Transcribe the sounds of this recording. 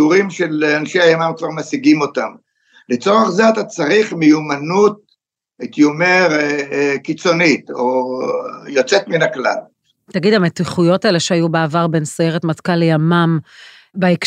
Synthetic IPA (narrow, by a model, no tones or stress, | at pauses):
uʁimʃelanʃeajamamkvaʁmasiɡimo̞tam | let͡so̞ʁeχzeat̪at͡saʁiχmejumanut̪̚ | et̪jomeʁkit͡so̞nit̪o | jo̞t͡set̪minakla̰l | t̪aɡid̪ametiχujo̞taeleʃeajubeavaʁbensojeʁet̪matkalejamam | baik